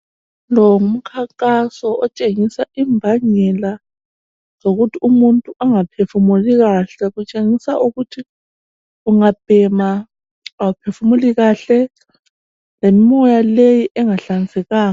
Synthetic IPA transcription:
lɔŋum̩kʰaŋkʼasɔʔɔt͡ʃʼeŋisaimbʱaɲɛla | zoɣutʰiumuntʼuʔaŋapʰefumuliɣaɬɛɣut͡ʃʼeŋisaʔuɣutʰi | uŋab̥ʱɛma | awupʰefumuliɣaɬɛ | lemmɔjalejiʔɛŋaɬand͡zʱɛɣaːŋ

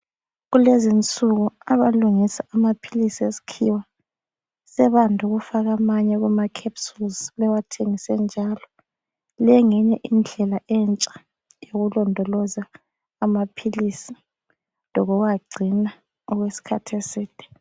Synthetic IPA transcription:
ɣulezint͡sʼuɣuaβaluŋisaamapʰilisiesi̥kʰiwa | sɛβandʱuɣufaɣamaɲɛɣumakʰepsulzlɛwatʰeŋisɛnd͡ʒʱalɔ | lɛŋɛɲɛʔind͡ɮʱɛlaʔɛnt͡ʃʼḁ | joɣulɔndʱɔlɔzaː | mapʰilisi | lɔɣɔɣaɡ͡ǀʱina | ɔɣwesi̥kʰatʰesiːd̥ʱʼɛ̥

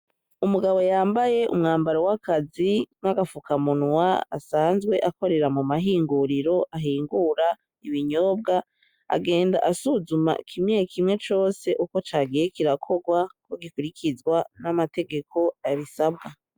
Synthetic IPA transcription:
umuɡaβo̞jaːmbaje̞ʔṵmŋaːmbaɾowakʰazinaɡafukamunwaa̰saːnzɡwe̞ʔako̞ɾe̞ɾamumaɦiːŋɡuɾiɾo̞ʔaɦiːŋɡuɾa | iβiɲo̞ːb̚ɡa | a̰ɡe̞ːndaʔasuzuma̰kʰimŋekʰimŋe̞t͡ʃo̞ːse̞ʔukot͡ʃaːɡijekiɾakʰo̞ɡwakoɡikuɾikʰizɡwanamate̞ɡe̞kʰo̞aβisabɡa

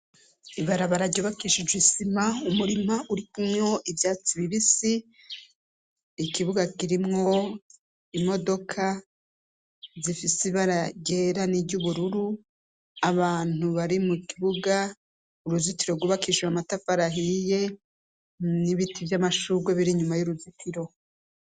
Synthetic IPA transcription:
iβaɾaβaɾaɟuβakiʃid͡ʒwisimaumuɾimaʔuɾikumŋo̞ʔivjaːt͡siβiβisi | kiβuɡakiɾimŋo̞ | imo̞do̞kʰa | zifisiβaɾaɟe̞ːɾaniɟuβuɾuɾu | aβaːn̥uβaɾimukiβuɡa | uɾuzitiɾoɡuβakiʒuamatafaɾaɦije̞ | niβitʰivjamaʃuɡweβiɾiɲumajuɾuzitʰiɾo̞

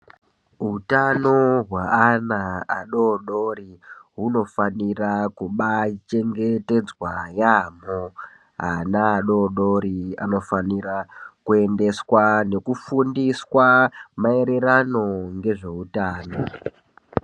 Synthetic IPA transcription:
ɦutano̞ɦwaanaaɗo̞ɗo̞ɾiɦuno̞fanirakuɓat͡ʃe̞ŋɡe̞te̞d͡zwajamo | ɦanaːɗo̞ɗoɾia̰no̞fanirakue̞nde̞swane̞kufundiswamae̞ɾe̞ɾano̞ŋɡe̞ʐe̞utaːno̞

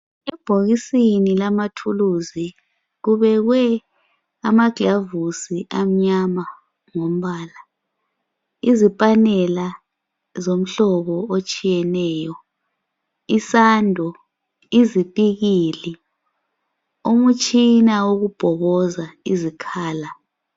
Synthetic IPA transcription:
ɛb̥ʱoɣisinilamatʰuluzi | ɣuβɛɣwɛ | amaɡ̥ʱlavusiʔam̩ɲama | ŋom̩βaːla | izipʼanɛla | zom̩ɬɔβɔot͡ʃʼijɛnɛːjɔ | isandʱɔ | izipʼiɣili | omut͡ʃʼinawoɣub̥ʱɔɣɔzaizikʰaːla

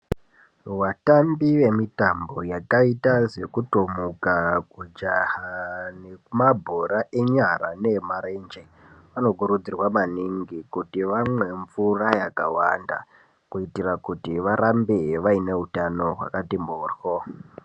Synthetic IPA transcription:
watambiʋe̞mitambo̞jakaitaze̞kutomukaɡʱud͡ʒahane̞kumabʱoɾaʔe̞ɲaɾa̰ne̞maɾend͡ʒe | ʋano̞ɡʱuɾud͡zirwamaniŋɡikutiʋamwe̞ɱvurajakawa̰nda̰ | kuitirakutiʋaɾambeʋaine̞utano̞ɦwa̰katimboːrwo

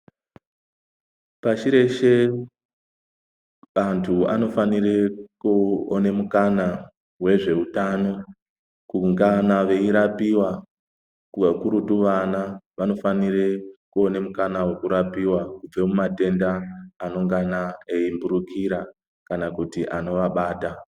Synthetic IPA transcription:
pat͡ʃiɾe̞ʃe̞ | ʋantʰua̰no̞fanirekuone̞mukana | we̞ʐe̞utano̞ | kuŋɡanaʋe̞iɾapiwa | kuakuɾutuʋanaʋano̞fanirekuo̞ne̞mukanawekuɾapiwakub͡ve̞mumate̞ndaːno̞ŋɡanaeimbuɾukʰiɾa | kanakutiʔano̞ʋaɓaːta

